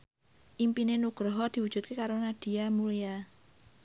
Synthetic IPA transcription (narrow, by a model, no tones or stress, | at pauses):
ʔimpinenuɡ̥ɾɔɦɔd̪̥i̤wud̥ʒ̥ṳt̪̚kekaɾonad̪̥i̤amulija